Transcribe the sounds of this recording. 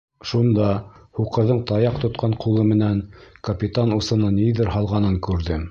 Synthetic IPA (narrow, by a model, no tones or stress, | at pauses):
ʃund̪ɑhuqɤ̆ɾðɤɴt̪ɑjɑqt̪ŏt̪̚qʰɑɴqulˠɤmɘ̆næŋkɐpʲit̪anusɤ̆nɤniðɘɾɦɑlˠʁɑnɤŋkʉɾðɘm